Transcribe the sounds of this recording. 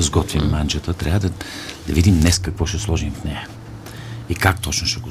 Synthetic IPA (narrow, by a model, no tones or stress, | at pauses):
zɡɔt̪vimːant͡ʃət̪ət̪ɾʲʔavəd̪ɐd̪ɐvid̪imnɛskɐkvɔʃɛslˠɔʒimt̪nɛjɐ | ikak̚t̪ɔt͡ʃnʊʃɛɡo